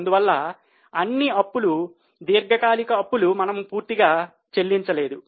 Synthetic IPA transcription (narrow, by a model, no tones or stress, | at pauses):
nd̪uʋɐlːɐ | ɐnːiɐpːulu | d̪iːɾɡʱɐkaːlikɐːpːulumɐnɐmpuːɾt̪iɡaː | t͡ʃelːiɲt͡ʃɐle̞ːd̪u